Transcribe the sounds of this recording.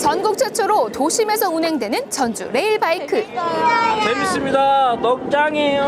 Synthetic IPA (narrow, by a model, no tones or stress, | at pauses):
t͡ɕʌnɡuk̚t͡ɕ͈ʰet͡ɕʰoɾotoɕʰime̞sʰʌunɦe̞ŋdwe̞nɯnt͡ɕʌnd͡ʑṵɾe̞iɭbaikʰɯ | t͡ɕemis͈ɯmɲidanʌk̚t͡ɕ͈aŋi